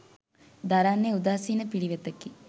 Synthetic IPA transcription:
d̪aɾaːnːeud̪aːsiːnəpiɽiʋet̪ɐkːi

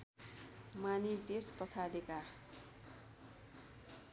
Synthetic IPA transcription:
manit̪espʌt͡sʰadeka

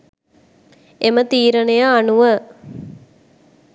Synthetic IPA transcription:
emət̪iːɾənejaːnuʋə

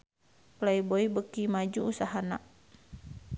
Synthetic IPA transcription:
plaiboibəkimad͡ʒuusaɦanaʔ

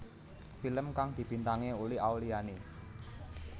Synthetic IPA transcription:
filəmkaŋd̪̥i̤b̥i̤nt̪aŋeulɪawliane

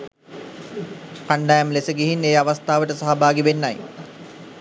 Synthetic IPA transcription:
kaɳɖajamlesəɡiɦineːaʋast̪aːʋəʈəsaɦabaːɡiʋenːaj

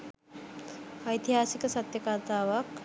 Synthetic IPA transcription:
əjt̪iɦaːsikəsɐt̪jəkat̪aːʋak

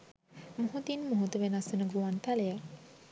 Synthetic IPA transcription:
moɦut̪inmoɦut̪uʋenasunəɡuant̪aleja

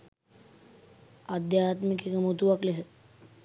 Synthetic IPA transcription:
ad̪jaːt̪mikekəmut̪uʋakles̬ət̪

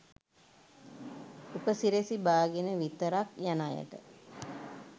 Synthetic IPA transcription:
upəsiɾesibaːɡenəʋit̪əɾakjanajə̰ʈə̰

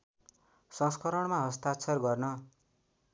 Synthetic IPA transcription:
sʌ̃skʌɾʌɳmaɦʌst̪at͡sʰʌrɡʌrnʌ

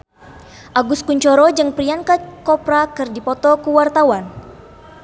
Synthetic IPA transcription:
ʔaɡʊskuɲt͡ʃɔɾɔd͡ʒɨŋpɾiankakɔpɾakɨrdipɔt̪ɔkuwart̪awan

